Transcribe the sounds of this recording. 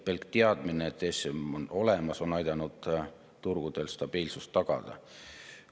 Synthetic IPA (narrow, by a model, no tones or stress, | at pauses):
pelkt̪eɑd̪̥mineet̪ːesemono̞lemɑso̞nɑjd̪̥ɑnud̪̥ | t̪urɡ̥ud̪̥e̞lst̪ɑb̥iːlsust̪ːɑɡ̥ɑ̰d̪̥ɑ̰